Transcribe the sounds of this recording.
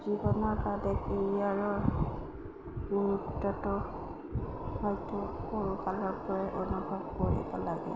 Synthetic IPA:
zibɔnɔɹkadɛkeɹiaɹɔɹ | ɡuɹudɔtɔ | hɔjtʊkoɹukalɔɹpɔɹɛʔonubʱɔb̚koɹḭbɔlaɡɛ̰

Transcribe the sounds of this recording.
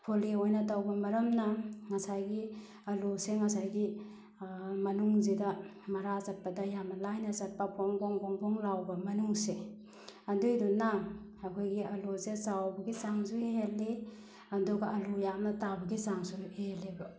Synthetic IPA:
pʰoliojnɐtawbɐmɐɾɐmnɐŋɐsajɡi | ɐluseŋɐsajɡi | mɐnuŋzidɐ | mɐɾazak̚pɐdɐjamnɐlajnɐzak̚papɔŋbɔŋbɔŋbɔŋlawbɐmɐnuŋse | ɐndujdunaŋɐkʰojɡiɐlusezawbɐɡizaŋzueelːe | ɐndɔɡaɐlujamnɐtabɐɡizaŋsueleba

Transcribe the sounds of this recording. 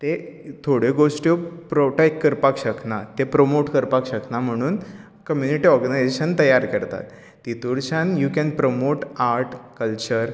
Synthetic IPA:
t̪et̪ʰoɽeɡoʂʈjopɾoʈajkːəɾpakɕəknat̪epɾomoʈkəɾpakɕəknam̤əɽ̃uːn | kəmjuniʈiɔɾɡənajd͡ʑeɕənt̪əjaɾkəɾt̪a̰t̪ː | it̪uɽt͡ɕanjukɛnpɾomoʈaɾʈʰkəlt͡ɕəɾ

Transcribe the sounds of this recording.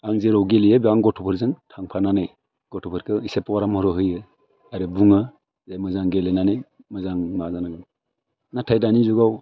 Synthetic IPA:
aŋzeɾɔwɡelijɯbiaŋɡɔtʰupʰɯɾzɯŋtʰaŋpʰananej | ɡ̥ɔtʰupʰɯɾkʰɯisepawaɾamɔɾɯɦɯjɯ | aɾɯbuŋɯ | zajmɯzaŋɡelenane | mɯzaŋmazanaɡɯm | natʰajdanizuɡaw

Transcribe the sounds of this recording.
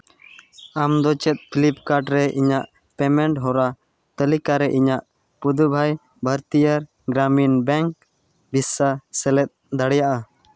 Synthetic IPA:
amd̪ɔt͡ʃɛt̪̚pʰilip̚kaɾɖɾɛʔiɲaʔ | pɛmɛɳʈɦɔɾa | t̪əlikaɾɛʔiɲaʔ | pud̪ubʱaj | bʱəɾt̪ijaɾ | ɡɾaminbɛŋk̚ | bʱisːasɛlɛt̪̚d̪aɽjaʔa

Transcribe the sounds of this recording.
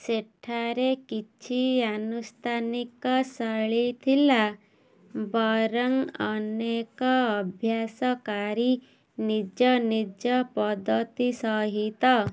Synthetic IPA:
seʈʰaɾekit͡ʃʰianust̪ʰanikɔsəɭit̪ʰila | bɔɾɔŋɔnekɔːbʱjasɔkaɾi | nid͡ʒɔnid͡ʒɔpɔd̪ʱːɔt̪isɔɦit̪ɔ

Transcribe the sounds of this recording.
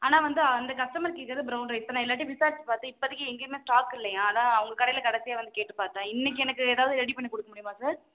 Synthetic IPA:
aːnaːʋɐnd̪ɯɐnd̪ɐkɐʂʈɐmɐɾɪkːɪɾkːɾɐðɯbɾɐʊnɾɐɪpːɐnãːɪlːaːʈ̬ːiʋɪsaːɾt͡ʃpaːɾt̪ɯ̃ɪpːoɐðɪkːɯɛŋɡeːmeːsʈaːkːɪlːɐjãaːnaːɐʋɐŋɡɐkɐɽɐjɪlɐkɐɽɐsɪjaːʋɐnd̪ɯkeːʈːɯpaːɾt̪ãːɪnːɛk̬ːɯɛnɐkːɯɛːðaːʋɐðɯɾɛɽipɐnɳːikɔɽɯkːɐmʊɽɪjɯmãːsaːɾ

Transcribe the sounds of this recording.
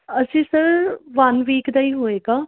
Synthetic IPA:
əsĩːsəɾʋɐnʋiːkd̪aiːɦoːeːɡaː

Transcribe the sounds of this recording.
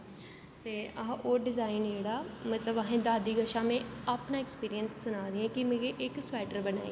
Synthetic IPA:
t̪eːəɦãʔoːɖɪzaːiːnd͡ʒeːɽaːmət̪ləbəɦẽːd̪aːd̪iːɡəʃãːmẽːaːpnaːɪkspiːɾijənsːʊnaːɾɪːɛ̃ːkɪmẽːɡeʔɪksʊɛːʈəɾbəna̰ːḭ

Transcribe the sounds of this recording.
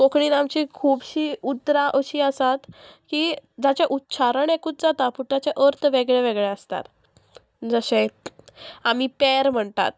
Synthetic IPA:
kokɳiːlamt͡ɕiːkʰuːbɕiːut̪ːɾaʔəɕiːəsat̪kiːd͡zat͡ɕjaʔutːt͡ɕʰaɾəɳekuːt̪̚d͡zat̪apuʈ̪at͡ɕaʔəɾt̪ʰʋeɡɭeʋeɡɭeəst̪a̰t̪ | d͡zəɕẽ | am̤iːpɛɾm̤əɳt̪a̰t̪

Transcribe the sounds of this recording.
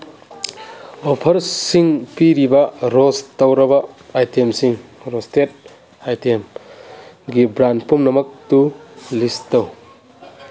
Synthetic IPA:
opʰɐɾsiŋpiɾibɐɾostɐwɾɐbɐajtiemsiŋɾostet̚ | ajtem | ɡibɾand̚pumnɐmɐk̚tulistɐw

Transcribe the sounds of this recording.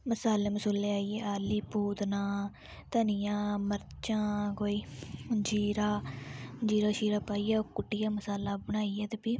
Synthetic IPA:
məsaːleːməsuːlːeaːijeːʔaːliːpuːt̪nãː | t̪ənɪjãːməɾt͡ʃãːkoːiːd͡ʒiːɾaː | d͡ʒiːɾaːʃiːɾaːpaːijaːokʊʈːɪjãːməsaːlaːbəɽ̃aːijaːt̪eːpiː

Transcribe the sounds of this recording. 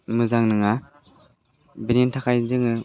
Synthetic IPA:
mɯzaŋnɯŋa | benintʰakʰajzɯŋɯ

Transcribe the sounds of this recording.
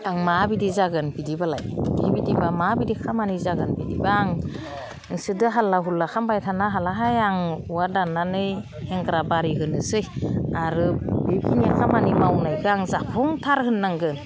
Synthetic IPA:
aŋmabidizaɡɯnbidibalajbidibidibamabidikʰamanizaɡɯnbidibaŋ | ɯŋsɯdɯɦalːaɦulːakʰambajtʰanaɦalaɦajaŋuwadanːanɯj | eŋɡɾabaɾiɦɯnɯsɯjaɾɯbebʰiniakʰamanimawnajɡɯaŋzapʰɔŋtʰaɾhɯnːaŋɡɯn

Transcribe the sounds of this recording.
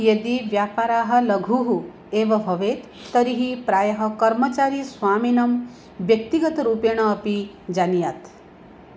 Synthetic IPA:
jed̪iʋjaːpaːɾaɦɐ̆lɐɡʱuɦu | eʋɐbʱɐʋet̪ːəɾiɦipɾaːjɐɦɐkɐɾmət͡ʃaːɾisʋaːminɐm | ʋjɐk̚t̪iɡət̪ɾupeɽ̃ɐːpi | d͡ʒanijat̪

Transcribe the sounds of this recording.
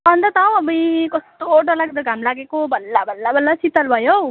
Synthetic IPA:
ʌnd̪ʌt̪aw̃ʌbʌjkʌst̪oʈʌlaɡ̚d̪ʌɡʱamlaɡekobʱʌlːabʱʌlːabʱʌlːasit̪ʌlbʱʌjow

